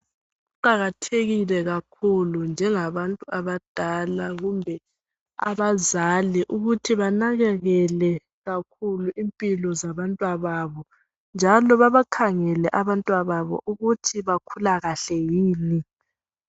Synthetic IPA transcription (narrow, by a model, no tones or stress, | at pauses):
uǃaɣatʰeɣilɛɣakʰulund͡ʒʱɛŋaβantʼuaβad̥ʱalaɣumbʱɛ | a̰βazaliʔuɣutʰiβanaɣɛɣɛlɛ | ɣakʰuluʔimpʼilɔzaβantʼwaβaβɔ | nd͡ʒʱalɔβaβakʰaŋɛlɛʔaβantʼwaβaβɔ̰ʔuɣutʰiβakʰulaɣaɬɛjiːni